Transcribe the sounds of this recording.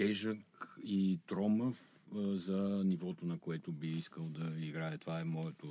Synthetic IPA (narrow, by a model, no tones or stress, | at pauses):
t̪ɛʒəkit̪ɾɔməf | zɐnivɔt̪onɐkoɛt̪obiiskəlˠd̪ɐiɡɾajɐt̪ovaɛmɔjɛt̪o